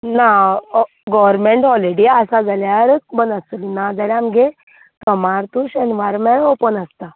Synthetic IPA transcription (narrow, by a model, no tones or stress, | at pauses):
na | ɡɔʋəɾmẽɳʈɔleɽiəsad͡zaljaɾəbənəslinad͡zaljãmɡe | t̪əmaɾt̪uɕɛnʋajɾmẽɽopənəst̪a